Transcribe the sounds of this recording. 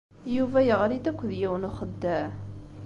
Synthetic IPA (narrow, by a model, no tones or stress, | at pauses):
juvæjəʁɾid̪ækʷːðjæwnuχəd̪ːæ